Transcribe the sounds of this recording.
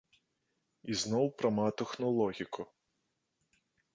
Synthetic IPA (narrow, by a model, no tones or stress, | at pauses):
iznɔwpɾɐmɑt̪exnɔlˠɔɦʲikʰʊ